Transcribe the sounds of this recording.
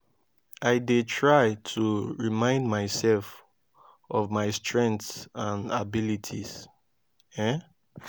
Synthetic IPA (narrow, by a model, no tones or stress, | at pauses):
aɪdetʰɹajtʰuɹimãɪ̃ndmaɪsɛlf | ɔvmaɪstʰɹɛ̃ŋktsãnabilitʰis | ɛ